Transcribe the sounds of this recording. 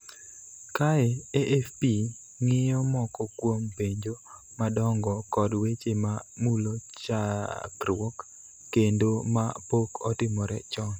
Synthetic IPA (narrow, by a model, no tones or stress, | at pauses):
kaɛeʔefpi | ŋɪjɔmɔkɔkwompeɲd͡ʒo | madɔŋɡɔkɔdwet͡ʃemamulot͡ʃakɾwɔkː | endomapokɔtɪmɔɾɛ̰t͡ʃɔn